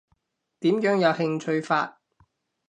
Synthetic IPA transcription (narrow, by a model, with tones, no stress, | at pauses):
t̪iː˨˥mjœː˨˥ŋjɐ˨˧whɪ˧ŋt͡ʃʰɵ˧ɥfaː˧t̚